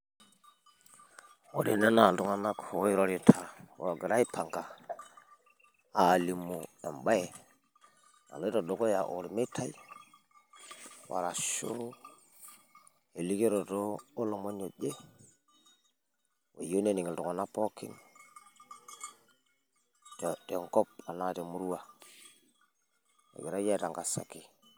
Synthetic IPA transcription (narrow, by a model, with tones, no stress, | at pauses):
o̰˨ɾḭ˨ne˦na˨ldu˦ŋa˦˨na˦ko˨˦i˦ɾo˦ɾi˨tʰa˨wo˨ɡə˨ɾa˦i˦pʰa˨ŋka˨ | a˨li˨mu˨ḛ˨mɓa˦je˨ | na̰˨lo˦i˦ɾo˨ɗo˨ko˦ja˨ʔo˨ɾi˨me˦tʰa˦i˦ | wa̰˨ɾa˨ʃo̰˦ɾu˦ | e˨li˦ke˦ɾo˨toː˦lo˨mo˦no˨ɟe˦ | wḛ˨jo˦ne˦ni˨ŋi˨lto˨ko˨na˦po˦kḭ˦n | tte˨ŋko˦p̚a˨na˦˨te˨mu˦ɾu˦wa˨ | ḛ˨ɡi˨ɾa˦ja˦ta˨ŋɡa˨sa̰˨ki˨